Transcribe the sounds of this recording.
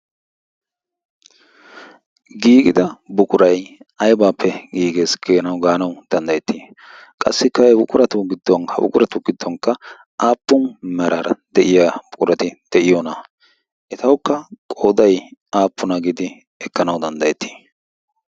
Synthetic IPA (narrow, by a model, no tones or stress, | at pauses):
ɡiːɡɪd̪ɐbʊkʼʊɾɐjʔɐjbaːpːɛɡiːɡeːsɡ̥eːnɐwɡaːnɐwd̪̥ɐnd̪ɐjɛt̪ːi | kʼɐ̰sːɪkːɐɛbʊkʼʊɾɐt̪ʊɡɪd̪ːɔnhɐ̰bʊ̰kʼʊɾɐt̪ʊɡɪd̪ːɔnkːɐ | ʔaːpːʊnmɛɾɐɾɐd̪̥ɛʔɪjaːb̥ʊkʼʊɾɐt̪ɪd̪̥ɛʔɪjɔnɐ | ʔɪt̪ɐwkːɐkʼoːd̪ɐjaːpːʊnɐɡɪd̪ɪ | ɛkːɐnɐwd̪ɐnd̪ɐjɛt̪ːi̥